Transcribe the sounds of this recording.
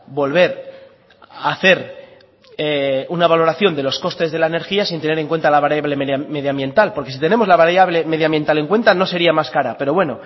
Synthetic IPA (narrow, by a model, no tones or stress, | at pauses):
bo̞lβe̞ɾ | aθe̞ɾ | eunaβalo̞ɾaθjo̞nd̪e̞lo̞sko̞st̪e̞zðe̞laene̞ɾxiasint̪e̞ne̞ɾe̞ŋkwe̞nt̪alaβaɾjaβle̞meme̞ðjambje̞nt̪alpo̞ɾkesit̪ene̞mo̞zlaβaɾjaβle̞me̞ð̞jãmbje̞nt̪ale̞ŋkwe̞nt̪ano̞se̞ɾiamaskaɾape̞ɾo̞βwe̞no̞